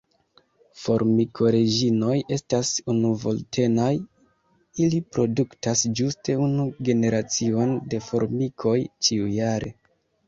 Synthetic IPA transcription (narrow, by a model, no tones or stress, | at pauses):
fo̞ɾmikʰo̞ɾe̞d͡ʒino̞je̞stasunuvo̞̰ltʰe̞naj | ilipɾo̞duktasd͡ʒuste̞unuɡe̞ne̞ɾat͡sio̞nde̞fo̞ɾmikʰo̞jt͡ʃiujaɾʔe̞̰